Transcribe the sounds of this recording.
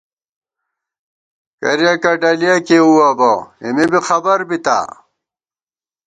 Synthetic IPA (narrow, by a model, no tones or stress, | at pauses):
kɐ̰ɾjakɐɖɐlijakeuwabɐimibixɐbɐɾbit̪a̰ː